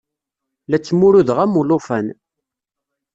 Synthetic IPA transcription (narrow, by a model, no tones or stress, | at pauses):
læt͡sːmʊɾuðʁæmulʊfæn